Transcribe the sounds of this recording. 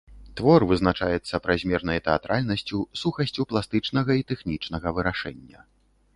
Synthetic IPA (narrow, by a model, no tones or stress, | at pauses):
t̪vɔrvɨznat͡ʂajɛt̪sːɐpɾazʲmʲɛrnɐjɐt̪ɛat̪ɾalʲnɐsʲt͡sʲusuxɐsʲt͡sʲuplˠast̪ɨt͡ʂnɐɣɐit̪ɛxnʲit͡ʂn̪ɐɣɐvɨɾaʂɛnʲːɐ